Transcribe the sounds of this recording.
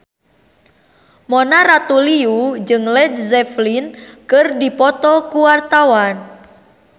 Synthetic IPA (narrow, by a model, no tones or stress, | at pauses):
mɔnarat̪uliud͡ʒɨŋlɛd̪̚zɛflinkɨrdipɔt̪ɔkuwart̪awan